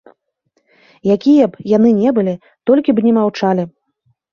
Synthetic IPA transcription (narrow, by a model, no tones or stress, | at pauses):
jakʲijɐbjanɨnʲɛbɨlʲi | t̪ɔlʲkʲibnʲɛmawt͡ʂalʲi